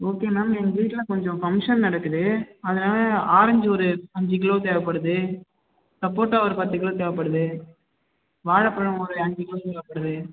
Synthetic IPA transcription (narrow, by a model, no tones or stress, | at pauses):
oːkeːnaːmɛŋɡiːʈlɐkɔɲd͡ʒɔ̃fɐŋʂɐnnɐɽɐkːɯðɯɐðɐnaːlɐaːɾɐɲd͡ʒɯɔɾɯɐɲd͡ʒɯk̬ɪɭoːt̪eːʋɐpːɐɽɯðɯ | sɐpːoːʈːaːʋɐɾɯpɐt̪ːɯkːɪɭoːt̪eːʋɐpːɐɽɯðɯ | ʋaːɻɐpːɐɻɯ̃ɔɾɯɐɲd͡ʒɯkɪɭoːt̪eːʋɐpːɐɽɯðɯ